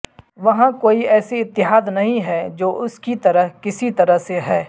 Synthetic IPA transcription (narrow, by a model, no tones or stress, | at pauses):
ʋɐɦãkoːiɛːsiɪt̪ːɪɦaːd̪nɐɦĩɦɛd͡ʒoːʔʊskit̪ɐɾəɦkɪsit̪ɐɾəɦseɦɛː